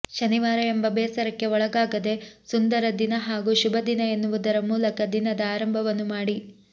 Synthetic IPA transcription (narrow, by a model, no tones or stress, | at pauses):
ʃɐniʋaːɾɐembɐbɛːsɐɾɐkːe̞ɔɭɐɡaːɡɐd̪e̞sund̪ɐɾɐd̪inɐɦaːɡuːʃubʱɐd̪inɐe̞nːuʋud̪ɐɾɐmuːlɐkɐd̪inɐd̪ɐaːɾɐmbʱɐʋɐnːumaːɽi